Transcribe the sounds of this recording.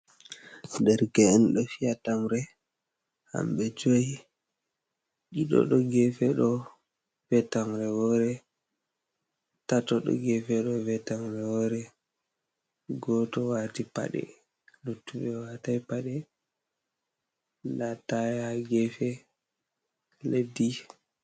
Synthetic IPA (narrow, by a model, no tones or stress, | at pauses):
dɛɾɡɛɛnɗɔfiatamɾɛ | ha̰mɓɛd͡ʒoji | ɗiɗɔ̰ɗɔɡɛfɛɗɔ | vɛtamɾɛwɔɾɛ | tatɔɗɔ̰ɡɛfɛɗɔvɛtamɾɛwɔɾɛ | ɡɔtɔwatipa̰ɗɛ̰ | lutːuɓɛwatajpaɗɛ | ndatajaɡɛfɛ | ledi